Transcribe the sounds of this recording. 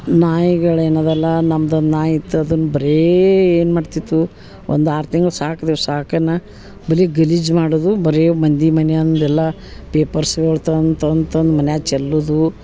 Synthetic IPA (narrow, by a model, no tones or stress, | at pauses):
naːjiɡɐɭeːnod̪ɛlːɐnɐmːɐd̪ond̪naːjit̪ːuɐd̪unːubɐɾeeːnmaːɖt̪it̪ːu | o̰nd̪aːɾt̪iŋɡɐɭsaːkɐd̪esaːkɐnːɐ | bɐliɡɐlid͡ʒmaːɽod̪ubɐɾemɐnd̪imɐnejɐnnd̪ɛlːɐ | peːpɐɾsɡoɭt̪ɐnt̪ɐnt̪ɐnd̪mɐnjaːt͡ʃɛlːud̪u